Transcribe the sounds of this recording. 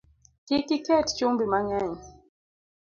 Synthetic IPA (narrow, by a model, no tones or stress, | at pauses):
kikikɛtt͡ʃumbimaɲaɲi